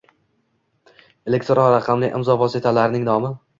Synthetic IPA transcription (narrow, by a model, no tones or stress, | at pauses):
e̞le̞kʲt̪ɾɒɾaqʰɑmlɪʔɪ̰mzɒvɒsɪt̪ʰalaɾnɪŋnɒmɪ